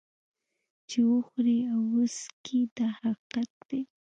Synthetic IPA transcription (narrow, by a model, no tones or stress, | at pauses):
t͡ʃɪwʊxɾiawʊskʰid̪ahaqat̪̚d̪ej